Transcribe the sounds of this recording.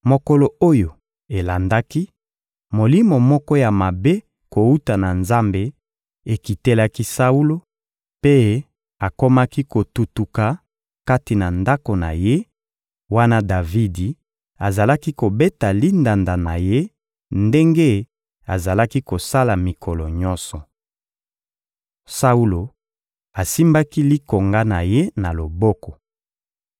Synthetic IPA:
mo˨ko˦lo˨o˦jo˨ | e˨la˨nda˦ki˦ | mo˨li˦mo˨mɔ˦kɔ˦ja˨ma˨be˦ | ko˨u˦ta˨na˨nza˦mbe˦ | e˨ki˨te˦la˦ki˦sa˦u˦lo˦ | pe˦ | a˨ko˦ma˦ki˦ko˨tutu˨ka˨ | ka˦ti˨na˨nda˦ko˨na̰˨je˦ | wa˦na˦da˨vi˦di˨ | a˨za˨la˦ki˦ko˨be˦ta˨li˦nda˨nda˨na˨je˦ | nde˦ŋɡe˦ | a˨za˨la˦ki˦ko˨sa˦la˨mi˨kʰɔ˨lɔ˨ɲɔ̃˦nsɔ˨ | sa˦u˦lo˨ | a˨si˦mba˦ki˦li˦ko˨ŋɡa˦na˨je˦na˨lo˨bɔ˦kɔ˨

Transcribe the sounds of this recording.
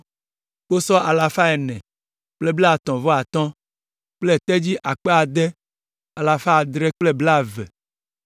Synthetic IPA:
k͡po˦sɔ˦ʔa˨la˨fa˦ɛ˨nɛ̃˨ | k͡ple˦bla˨t̪ɔ̃˨vɔ˦a˨t̪ɔ̃˦ | k͡ple˦˨t̪ɛ˦d͡ʑi˦ʔa˨k͡pe˦a˨d̪ɛ˦ | a˨la˨fa˦a˨d̪ɾɛ˦k͡ple˦bla˦˨vɛ̰˨

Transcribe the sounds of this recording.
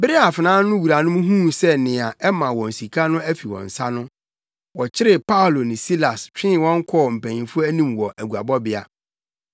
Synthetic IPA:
bɪ˦ɾɪ˦a˨fɪ˨nãː˦nʊ̃˦wu˨ɾa˨nʊ̃˦m˦ɦũ˦sɛ˦nɪ̃˨a˨ʔɛ˦mã˨wɔ̃˨n̩˨si˨kʰa˦nʊ̃˦æ˦fi˨wɔ̰̃˨n̩˨sa˦nʊ̃˦ | wɔ˨t͡ɕʰɪ˦ɾɪ˨pa˦o˨lo˨nɪ̃˨si˦la˨st͡ɕᶣɪ̃˦˨wɔ̃˦ŋ̩˦kʰɔ˦˨m̩˨pʰæ̃˨ɲĩ˨fʊ˦æ˦nĩ˦mwɔ˨ʔæ˨ɡu˨a̰˨bɔ˦bɪ˦a̰˦

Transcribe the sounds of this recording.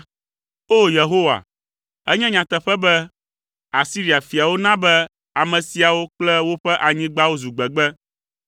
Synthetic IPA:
o˦je˨ɦo˦wa̰˨ | ɛ˦ɲɛ̃˦ɲã˨t̪ɛ˨ɸɛ˦bɛ˦ | a˨si˦ɾi˨a˨fi˨a˨wo˦nã˦bɛ˦ | a˨mɛ̃˨si˨a˨wo˦k͡plɛ˦wo˦ɸɛ˦ʔa˨ɲĩ˦ɡ͡ba˦wo˦zu˨ɡ͡bɛ˨ɡ͡bɛ˦

